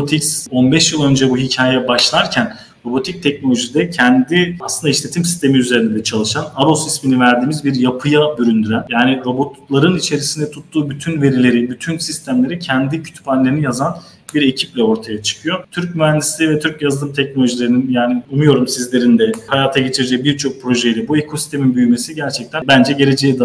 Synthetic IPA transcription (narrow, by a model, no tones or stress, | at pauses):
ot̪ʰicso̞nbɛʃjɯlˠø̞nd͡ʒɛbuɦicʰaːjɛbaʃlˠaɾcʰæn | ɾo̞bo̞t̪ʰic̚t̪ʰɛc̚no̞lʲo̞ʒisd̪ɛcʰɛnd̪iaslˠɯnd̪aiʃlʲe̞t̪ʰimsi̥st̪ʰe̞miyze̞ɾind̪ɛd̪ɛt͡ʃʰalˠɯʃanaɾosisminivæɾd̪iːmizbiɾjapʰɯjabyɾynd̪yɾænjaːniɾo̞bot̪lˠaɾɯnit͡ʃʰe̞ɾisind̪ɛt̪ʰut̪ːuːbyt̪ʰynve̞ɾilʲe̞ɾibyt̪ʰynsist̪ʰæmlʲe̞ɾicʰɛnd̪icʰy̥t̪panlʲe̞ɾinijazan | biɾe̞cʰiplʲɛo̞ɾt̪ʰajat͡ʃʰɯ̥kʰɯjo̞t̪ʰyɾc̚myænd̪islʲivɛt̪ʰyɾcjazd̪ɯmt̪ʰɛc̚nolʲo̞ʒilʲeɾininjaːniunujo̞ɾumsizlʲe̞ɾind̪ɛhajaːt̪ʰaɟe̞t͡ʃʰiɾd͡ʒɛbiɾt͡ʃʰo̞k̚pʰɾo̞ʒe̞jilʲɛbuekʰo̞si̥st̪ʰe̞minbyjyme̞siɟæɾt͡ʃʰɛc̚t̪ʰænbænd͡ʒɛɟe̞ɾe̞d͡ʒejid̪